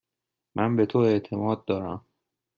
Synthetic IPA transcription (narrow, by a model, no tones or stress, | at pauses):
mʔænbet̪ʰoe̞ʔt̪ʰe̞mɒːd̪̚ːɒːɾæ̰m